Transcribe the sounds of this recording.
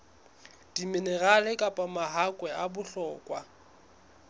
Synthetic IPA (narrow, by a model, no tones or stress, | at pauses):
d̥imɪnɛɣalɛkʼapʼamaɦakʼwɛabʊɬɔːkʼwa